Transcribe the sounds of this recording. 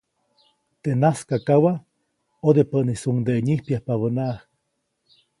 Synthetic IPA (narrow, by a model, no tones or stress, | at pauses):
t̪eʔnaskakawa | od̪epəʔnisuŋd̪eʔeɲihpjahpaβənaːh